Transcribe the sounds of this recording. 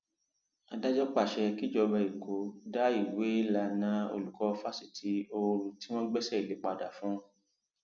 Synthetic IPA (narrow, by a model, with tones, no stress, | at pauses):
a˨da˦d͡ʒɔ˦k͡pa˦˨ʃɛ˧ki˦d͡ʒɔ˧bɛ˧˨i˨ko˨˦da˦i˦˨we˨˦la˧nã˨˦o̰˧lu˨kɔ˨˧fa˦si˦˨tʰi˨˦o˧ɾũ˧ti˦w̃ɔ̃˦ɡ͡bɛ˦sɛ˦˨i˨le˨˦k͡pa˧˨da˨fũ˨˦˧